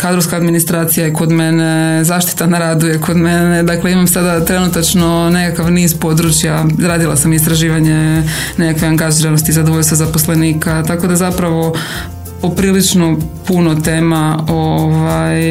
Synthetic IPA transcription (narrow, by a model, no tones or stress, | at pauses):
kaːd̪ɾoʋskaːd̪minist̪ɾaːt̪sijaje̞ko̞d̪me̞nezaːʃt̪i̥t̪anaɾaːd̪ujeko̞d̪me̞ned̪akle̞imamsad̪at̪ɾe̞nut̪at͡ʃno̞ne̞kakaʋniːzpo̞d̪ɾut͡ʃjaɾaːd̪ilˠa̰samist̪ɾaʒiːʋaɲe̞ | ne̞kakʋeaŋɡaʒiɾanost̪izad̪oʋoʎʲst̪ʋazaposle̞niːkat̪ako̞d̪azapɾaʋo̞ | opɾiːlit͡ʃno̞punot̪e̞ːmaoʋaj